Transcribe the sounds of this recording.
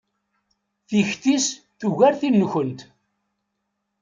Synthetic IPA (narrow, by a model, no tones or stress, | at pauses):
θiçθis | θuʝæɾθinːçənt̪